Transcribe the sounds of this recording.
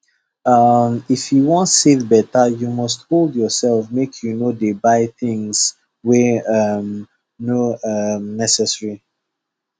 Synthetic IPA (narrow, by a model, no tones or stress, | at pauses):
ʌmifjuwɔ̃ntsetbɛtajumɔstholdjɔsɛlfmekʰjunodebaɪθĩŋs | wɛʌm | noʌmnɛsɛsɹi